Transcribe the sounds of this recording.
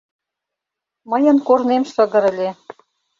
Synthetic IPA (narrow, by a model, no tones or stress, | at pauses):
məjə̆nkornemʃə̆ɣə̆ɾə̆lʲe